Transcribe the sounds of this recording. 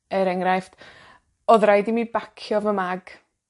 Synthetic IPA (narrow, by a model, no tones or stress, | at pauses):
əɾɛŋɾajft | ɔðrajdimibakʰjɔvəmaɡ̥